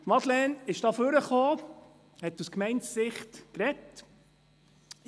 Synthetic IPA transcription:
t̪mɑd̪lɛnɪʃd̥ɑːføɾəχoː | hɛt̪ːuskmɛɪntsːɪχtkɾɛt

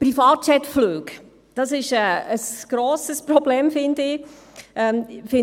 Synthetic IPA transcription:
pɾifɑːt̚t͡ʃɛtfløːɡ | d̥ɑsɪʃɛəsɡ̥ɾoːsəspɾɔblɛːmfɪndɪ | ʔɛmfɪ

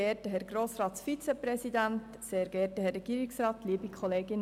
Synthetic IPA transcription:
ɛːtəɦɛɾɡroːsrɑːt̪sfit͡sɛprɛsid̪ænt̪ | seːɾɡɛːtəhɛɾːɛɡ̥iːɾɪksrɑːt̪liəbikʰɔleːɡɪn

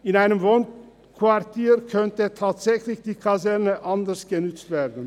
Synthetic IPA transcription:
ɪnaɪnəmvoːn | kʰv̥aʁtʰiːʁkʰœntətʰaːtz̥ɛçlɪçd̥iːkʰazɛʁnəʔandəsɡ̥ənʏt͡stv̥eːɐdn̩

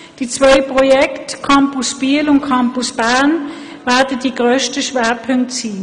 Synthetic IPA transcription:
d̥it͡svœʏpʁɔjɛktkʰampʊsb̥iːlʊnt̚kʰampʊsb̥æʁn | vɛɐdəd̥iːɡʁøːʃtəʃveːɐpʰʏŋk̚tsiː

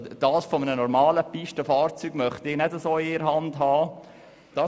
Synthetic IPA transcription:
d̥ɑːsfomənənɔɾmɑːləpiʃtəfɑːɾt͡syːɡ̥mœχtɪɡnɛdəsoːɪɪɾɦɑnd̥ɦɑː | d̥ɑ

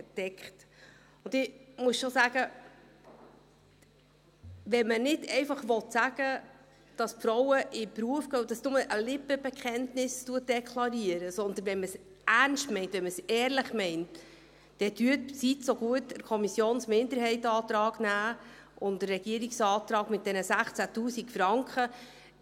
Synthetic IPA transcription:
d̥ɛkχt | ʊndɪmuəsʃosæɡ̥ə | ʋɛnmənɪdɛɪfɑχʋɔtsæɡə | d̥ɑsfɾɔwəʔɪpɾuəfɡœːd̥ɑsnʊməʔəlɪpəb̥ɛkʰχɛntnɪstuət̚d̥ɛkʰlɑɾiəɾəsɔnd̪ənvɛnməs | ʔæɾnʃtmɛɪntʋɛnməsɛːɾlɪχmɛɪnt | d̥ɛdyətsitsoɡuətəɾkʰɔmisjoːnsmɪndəɾhɛɪtɑːt̪ɾɑːɡ̥næːʔʊndərːɛɡ̥iəɾiksɑːt̪ɾɑːɡ̥mɪt̚dɛnəsæχt͡sætuːsikfɾɑŋkχə

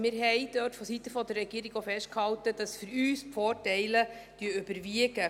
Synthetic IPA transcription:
mɪːɾɦɛɪd̥øːtfɔsit̪əfɔd̪əɾrːɛɡ̥iəɾiɡofɛʃt̚khɑltəd̥ɑsfyɾyːspfɔːrtɛɪləd̥yəøbəɾviəɡə

